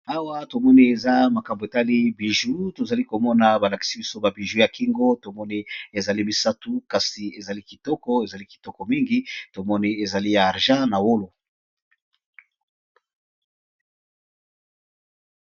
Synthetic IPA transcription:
a˦wa˦to˨mɔ˦ni˦e˨za˦ma˨ka˨mbo˨e˨ta˦li˦bi˨ʒu˦to˨za˨li˦ko˨mɔ˦na˨ba˨la˨ki̥˨si˦bi˦so˦ba˨bi˨ʒu˦ja˨ki˦ŋɡo˦to˨mɔ˦ni˦e˨za˨li˦mi˨sa˦tu˦ka˨si˨e˨za˨li˦ki˨tɔ˦kɔ˦e˨za˨li˦ki˨tɔ˦kɔ˨mi˦ŋɡi˦to˨mɔ˦ni˦e˨za˨li˦jaː˨ʁʒã˦na˨wo˦lo˨

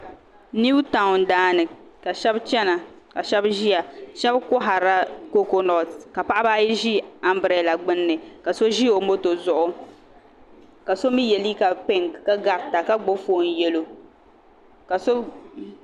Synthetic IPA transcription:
ni˦bta˨ŋ˨n˨daː˦nɨ˨ka˨ʃɛ˦bt͡ʃɛ˦na˨ | ka˨ʃɛ˦bʒi˦ja˨ʃɛ˦bkʊ˦ɦa˨ɾa˦ko˦ko˦nɔ˨tka˨pa˦ʔa˦baː˦ji˦ʒi˦a˦mbɾɛ˨la˨ɡ͡bɨ˦nːɨ˨ka˨so˦ʒi˦o˨mo˦to˨zʊ˨ʔʊ˦ | ka˨so˦mi˦jɛ˨li˦ka˨pe˦ŋka˦ɡa˨ɾta˨ka˦ɡ͡bo˦foː˦˨n˨jɛ˦lo˨ | ka˨so˦

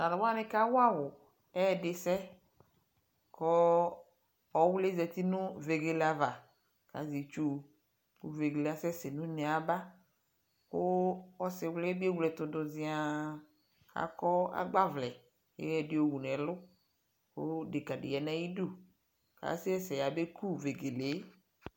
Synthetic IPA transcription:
na˨lɔ˨wa˦nɪ̃˦ka˦wʊ˦a˦wʊ˨ | ɛ˦˨dɪ˨sɛ˦ | kɔ˦ | ɔ˨˦wʊ˦le˦zɛ˨t̪i˦nʊ̃˦ve˨ɡe˨la˨va˨ | ka̰˨˦zi˨t͡ʃu˦ | kṵ˦ve˨ɡe˨la˦sɛ˦se˨nũ˦ne˨a˨ba˦ | kʊ˦ɔ˦sɪ˨wlɛ˦bi˦e˦wu˨lɛ˨t̪ʊ˨dʊ˨zɪ˨a˨ | ka̰˨˦kɔ˦a̰˦ɡ͡ba˦vlɛ˨ | jɛ̰˦jɛ˨dɪ˨o˨wu˨nɛ̃˨lʊ˦ | ko̰˦dɪ˨ka˨dɪ̰˨ɛ˨nɛ̃˦ji˦du˦ | ka̰˨˦si˦ɛ˦sɛ˨ja˨be˦ku˦ve˨ɡe˨le˨˦

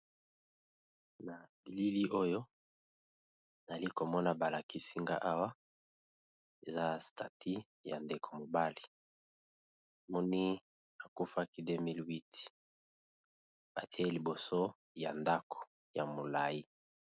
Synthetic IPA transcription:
na˨bi˨li˦li˦ʔo˦jo˦ | na˨li˦ko˨mɔ˦na˨ba˨la˨ki˦si˦ŋɡa̰˦ʔa˦wa˦ | e˨za˦˨stʰa˨tʰi˦ | ja̰˨nde˨kʰo˨mo˨ba˦li̥˨ | mɔ˦ni˦ | a˨ku˦fa˦ki˦de˦mi˦lwi˦ti̥˨ | ba˨ti˦e˦li˨bo˨so˦ | ja˨nda˦kʰo̥˨ | ja˨mo˨la˨i˦

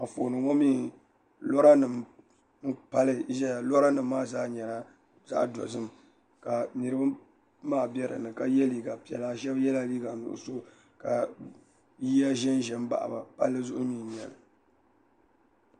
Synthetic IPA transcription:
a˨foː˨nɨ˨ŋɔ˦miː˦ | lɔ˦ɾa˦nɨ˨m | n̩˦pa˦lɨ˦ʒa˦ja˨lɔ˦ɾa˦nɨ˨mː˦aː˦zaː˦ɲɛ˨la˦ | za̰˦ʔdɔ̰˨zɨ˦m | ka˨nɨ˨ɾɨ˦ba˦ | maː˦˨bɛ˦ɾɨ̰˨nɨ˨ka˨jɛ˦liː˦ɡa˨pi˨ɛ̰˨la˦ʒɛ˦bjɛ˦la˦liː˦ɡa˨nʊ̰˨ʔʊ̰˨so˦ | ka˨ | ji˦ja˦ʒɛ˦nʒɛ˦m˦ba̰˨ʔa̰˨ba˨pa̰˦lːɨ˦zʊ˦ʔʊ˦miː˦˨ɲ˨ɛ̰˨lɨ˨

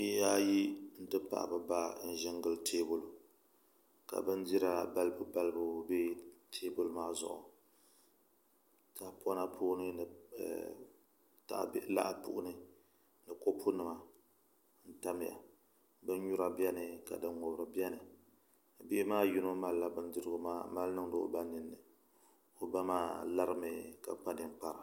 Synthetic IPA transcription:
bi˦ʔja˦ji˦n̩˦tɨ˦pa̰˨ʔbɨ˨ba˦n̩˦ʒɪ˦ŋɡɨ˨ltʰeː˦bʊ˨l | ka̰˨bɨ˦ndi˦ɾa˦ba˦lbʊ˦ba˦lbʊ˦be˦tʰeː˦bʊ˨lmaː˦zʊ̰˦˨ʔʊ̰˨ | ta˨pɔ˦na˦pʰoː˦nɨ˦nɨ̰˨ | ta̰˨ʔbla̰˦ʔpʊ̰˦ʔʊ˦nɨ˦ | nɨ˨ko˦pʰu˦nɨ˨ma˨ | n̩˦ta˦m˦ja̰˨ | bɨ˦n˦ɲu˦ɾa˦bi˦ɛ˦nɨ˨ka˨dɨ˦nŋo˨bɾɨ˨bi˦ɛ˦nɨ˨ | bɪ˦ʔmaː˦ji˦no˦ma˦lla˦bɨ˦n˦dɨ˦ɾɨ˦ɡʊ˦maː˦ma˦lnɨ˦ŋ˦dɨ˨o̰˨ba˦nɨ˨nːɨ˨ | o˨ba˦maː˦la˦ɾɨ˦mɨ˨ka̰˨k͡pa˦dɨ˨n˦k͡pa˨ɾa˨

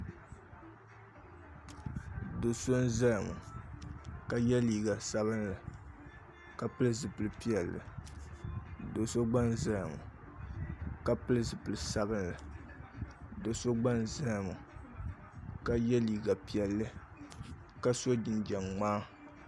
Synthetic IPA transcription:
do˨so˦n˦za˦jmṵ˨ | ka˦jɛ˦liː˨ɡa˨sa˦βɨ˦nla˨ | ka˦pɨ˦lɨ˦zɨ˨pɨ˨lɨ˨pi˦ɛ˨lːɨ̰˨ | do˨so˦ɡ͡ba˦nza˦jmʊ̰˨ | ka˦pɨ˦lɨ˦zɨ˨pɨ˨lɨ˨sa˦bɨ˦nla˨ | do˨so˦ɡ͡ba˦nza˦jmu˨ | ka˦jɛ˦liː˨ɡa˨pi˨ɛ˨lːɨ˦ | ka˦so˦d͡ʒɪ˨nd͡ʒɛ˨ŋŋ͡maː˦

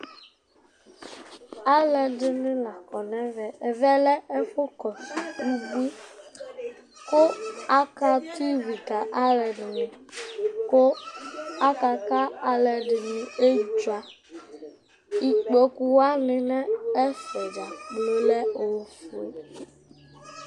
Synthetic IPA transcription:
a˦lɛ˨ɖɪ˨nɪ̃˦la˨kɔ˨nɛ̃˦vɛ˨vɛ˦lɛ˦e˦ɸo˦kɔ˨bu˦ɡ͡bi˦ | ko˦a˦ka˦ti˦vi˨ta˨ʔa˦lɛ˨ɖɪ˨nĩ˨ko˦ | a˦ka˨ka˦a˦lɛ˨ɖɪ˨nĩ˦e˦˨t͡ʃu˦a˨ | i˨k͡pɔ˦ku˦wa˦nɪ̃˨nɛ̃˦e˦fɛ˨d͡ʒa˨k͡plo˦lɛ˦o˨fu˨e˦

